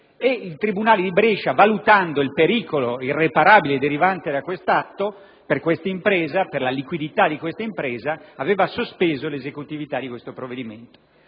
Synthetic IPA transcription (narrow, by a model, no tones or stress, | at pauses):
eilt̪ɾibunaːled̪ibɾet͡ʃavalut̪and̪oilpeɾiːkoloirːepaɾaːbiled̪eɾivant̪ed̪akwest̪at̪ːo | perkwest̪aimpɾɛːzaperlalikwid̪it̪ad̪ikwest̪aimpɾɛːzaːvɛːvasospeːzolezekut̪ivit̪ad̪ːikwest̪opɾovːed̪iment̪o̥